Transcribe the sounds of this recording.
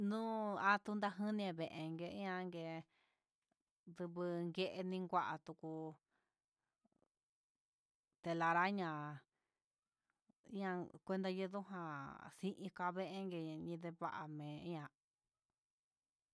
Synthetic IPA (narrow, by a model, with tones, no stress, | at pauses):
nũ˦a˦t̪u˧nd̪a˧ɦɨ̃˦nĩ˧ẽ˧˨βe˨˧ʔe˧ŋɡe˧˦ɲã˧ŋɡe˧ | ðɨ˧βɨ˧ŋɡe˧ʔe˧nĩ˧ŋɡʷa˧ʔa˧t̪u˧ku˧ | t̪e˧la˧ɾa˦ɲã˧˦ | ɲã˧kʷe˧nd̪a˧jɨ˧ðu˦ɦã˧sĩ˦ʔĩ˧ka˧βe˦˧ʔe˧ŋɡe˧ã˧ɲĩ˧ðe˧βa˦˧ʔa̰˨mẽ˨˦ɲã˧